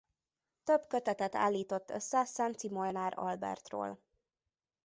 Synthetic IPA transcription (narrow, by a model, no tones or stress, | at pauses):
t̪øbkøt̪ɛt̪ɛt̪a̰ːlːiːt̪o̞t̪ːøsɛsɛnt̪simolnaːɾɒ̰lbɛ̰rt̪ro̰ːl